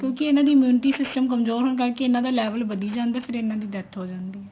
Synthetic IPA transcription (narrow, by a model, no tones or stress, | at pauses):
kjõːkɪɪnãːd̪iːmjuːnɪʈiːsɪsʈəmkəmzoːɾɦʊnk̬əɾkeɪnãːd̪aːlɛːʋəlbəd̪iːd͡ʒãːnd̪aːpʰɪɾɪnãːd̪iːd̪ɛt̪ʰɦoːd͡ʒãːnd̪iːɦɛː